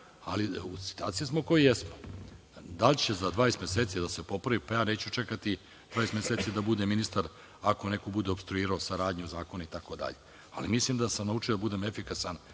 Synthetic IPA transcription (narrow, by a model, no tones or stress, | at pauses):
aliusi̥t̪ua̰ːt̪sijesmokojjesmo | d̪aʎt͡ɕezad̪ʋaːjesmʲeseːt̪sid̪ase̞po̞pɾaʋipajaːneːt͡ɕut͡ʂekat̪i | d̪vaːjesmʲeseːt̪sid̪abud̪eminist̪aɾ | ako̞ne̞kobud̪eobst̪ɾuiːɾaosaɾaːd̪ɲuzaːko̞nait̪ako̞d̪a̰ʎe | a̰limislimd̪asamnaut͡ʂijod̪abud̪emefikasan